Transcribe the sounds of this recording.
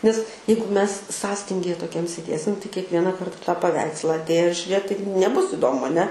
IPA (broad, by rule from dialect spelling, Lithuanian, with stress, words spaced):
nʲɛs ˈjɛɪɡʊ mʲɛs ˈsɑːsʲtʲɪŋʲɡʲɪjɛ toːˈkʲɛm sʲeːˈdʲeːsʲɪm tɐɪ kʲiɛkˈʋʲiɛnɐ ˈkɐrtɐ tɑː pɐˈʋʲɛɪkslˠɐ ɐtʲˈeːjʊs ʒʲʊˈrʲeːt tɐɪ nʲɛˈbʊs ɪˈdoːmʊ ɐˈnʲɛ